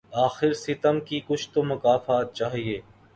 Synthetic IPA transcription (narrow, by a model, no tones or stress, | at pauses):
aːxɪɾsɪt̪əmkikʊt͡ʃʰt̪omɐkaːfaːt̪̚t͡ʃaːɦieː